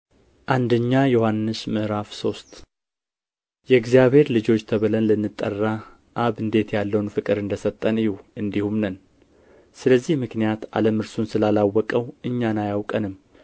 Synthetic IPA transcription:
ʔand̪əɲːajɛohanːɨsmɨʔɾafso̞st̪ʼ | jɛɨɡzijaβhe̞ɾlɨd͡ʒo̞t͡ʃːt̪ʰəβɨlənlɨnːɨt̪ʼːə̰rːa | ʔːβɨnd̪e̞t̪jalːəwnfɨkʼɨɾɨnd̪əsət̪ʼːənɨjuɨnd̪ihumnən | sɨləzːihmɨknijat̪a̰ləmɨɾsunsɨlalawːɔkʼəwɨɲːanajawkʼənɨmː

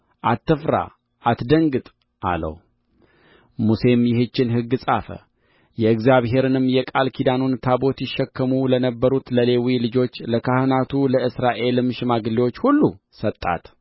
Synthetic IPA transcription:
ʔat̪ːɨfɾa̰ | ʔat̪d̪əŋɡɨt̪ʼ | ʔa̰lə̰w | muse̞mjɪhɨt͡ʃːɪnɦɨɡːɨsʼafə̰ | jɛɨkzjaβɦe̞ɾɨnɨmːjɛkʼalkʰid̪anunt̪ʰabo̞t̪jɪʃːɛkːəmulənəbːəɾut̪ləle̞wilɨd͡ʒo̞t͡ʃːləkʰahɨnat̪ʰuləʔɨsɾaʔe̞lmɨʃɪmaɡɨliwo̞t͡ʃːhulːu | sət̪ʼːa̰t̪

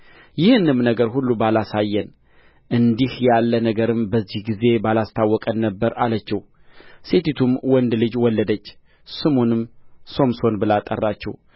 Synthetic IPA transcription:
jɪhɨnːɨmnəɡəɾhulːubalasajːɛn | ʔɨnd̪ihjalːənəɡəɾɨmbəzːihɡize̞balast̪ʰawːɔkʼənːəbːəɾalət͡ʃːɛw | se̞t̪it̪ʰumwɔnd̪lɨd͡ʒwɔlːəd̪ət͡ʃː | sɨmonɨmso̞mso̞nbɨlat̪ʼːə̰rːat͡ʃːɛ̰w

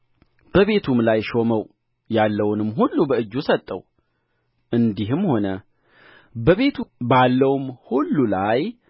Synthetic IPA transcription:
b̥əβe̞t̪ʰumlajʃo̞məw | jalːəwnɨmɦulːubəɨd͡ʒːusət̪ʼːə̰w | ʔɨnd̪iɦɨmho̞nə | bəβe̞t̪ʰubalːəwmhulːulaj

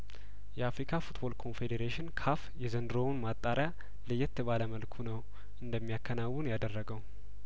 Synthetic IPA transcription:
jɛafɾikʰafut̪bo̞lkʰo̞nfe̞d̪eɾeʃɪnkʰafjɛzənd̪ɾo̞wnmat̪ʼːaɾja | lɨjɛt̪ʰːəβaləməlkʰunəw | ʔɨnd̪əmːijakːənawːunjad̪ərːəɡəw

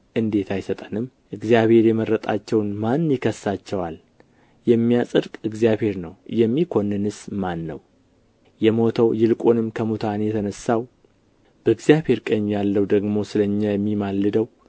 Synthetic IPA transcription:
ʔɨnd̪e̞t̪ʰajsət̪ʼənɨm | ʔɨɡzijaβhe̞ɾjɛməɾːət̪ʼa̰t͡ʃːɛwnmanːjɪkʰəsːat͡ʃːɛwal | jɛmːijasʼɨd̪kʼɨɡzijaβhe̞ɾnəwjɛmːikʰo̞nːɨnɨsmanːəw | jɛmo̞t̪ʰəwjɪlkʼonɨmkʰəmut̪ʰanjɛt̪ʰənəsːaw | b̥əɨɡzjaβhe̞ɾkʼəɲːjalːəwd̪əɡmo̞sɨləɲːajɛmːimalːɨd̪əw

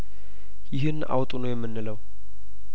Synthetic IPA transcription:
jɪɦɨnːʔa̰wt̪ʼunojɛmːɨnːɨləw

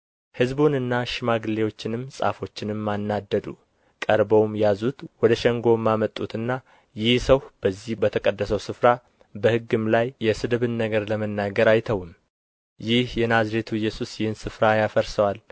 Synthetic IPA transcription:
hɨzbunɨnːaʃɪmaɡɨlːewo̞t͡ʃːɪnɨmːsʼa̰fo̞t͡ʃːɪnɨmːanːad̪ːəd̪ṵ | kʼəɾbəwmjazut̪wɔd̪əʃɛŋɡo̞mːamət̪ʼːut̪ʰɨnːa | jɪhsəwhb̥əzːihbət̪ʰəkʼəd̪ːəsəwsɨfɾa | bəhɨɡːɨmlajːɛsɨd̪ɨβɨnːəɡəɾləmənːaɡəɾajt̪ʰəwɨm | jɪhjɛnazɾet̪ʰuɪjːɛsusjɪhɨnsɨfɾajafəɾsəwal

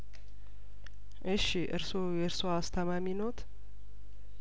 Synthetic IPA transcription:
ʔɨʃiʔɨ̰ɾsojɛɨɾsoast̪ʰəmaminot̪

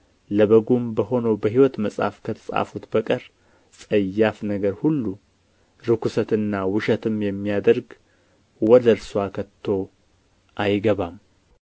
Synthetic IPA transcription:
ləβəɡumbəɦo̞nowbəɦiwɔt̪məsʼha̰fkʰət̪ʰə̥sʼa̰fut̪bəkʼəɾ | sʼəjːafnəɡəɾhulːu | ɾɨkʰusət̪ɨnːawɨʃət̪ʰɨmjɛmːijad̪əɾɡ | wɔd̪əɾswakʰət̪ʰːo̞ | ʔajɡəβam

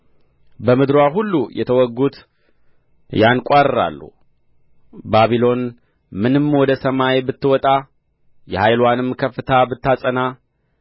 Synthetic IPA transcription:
bəmɨd̪ɾoaɦulːujɛ̰t̪ʰəwɔɡːut̪ | jankʼaɾɾa̰lːṵ | baβilo̞n | mɨnɨmwɔd̪əsəmajbɨt̪ːɨwɔt̪ʼa | jɛhajlwanɨmkʰəfːɨt̪ʰabɨt̪ːasʼəna

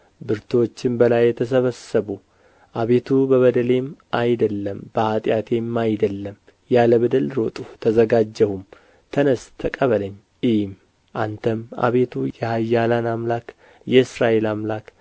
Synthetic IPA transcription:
bɨɾt̪ʰwo̞t͡ʃːɪmbəlajːɛt̪ʰəs̬əβəsəβu | ʔaβe̞t̪ʰubəβəd̪əle̞mʔajd̪əlːəmb̥əhat̪ʼjat̪ʰe̞mːajd̪əlːəm | jaləβəd̪əlɾo̞t̪ʼut̪ʰəzəɡad͡ʒːəhum | t̪ʰənəst̪ʰəkʼəβələɲː | ɪm | ʔant̪ʰəma̰βe̞t̪ʰujɛhajːalanamlak | jɛɨsɾaʔe̞lamlak

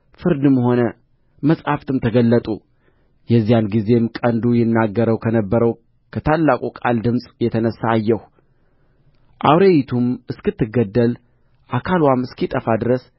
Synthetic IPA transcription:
fɨɾd̪ɨmho̞nə | məsʼhaft̪ʰɨmt̪ʰəɡəlːət̪ʼu | jɛzːijanɡize̞mkʼənd̪ujɪnːaɡːəɾəwkʰənəbːəɾəw | kʰət̪ʰalːakʼukʼa̰ld̪ɨmsʼjɛt̪ʰənəsːaːjːɛh | ʔa̰wɾejit̪ʰumɨskɨt̪ːɨɡːəd̪ːəl | ʔakʰalwamɨskʰit̪ʼəfad̪ɨɾəs

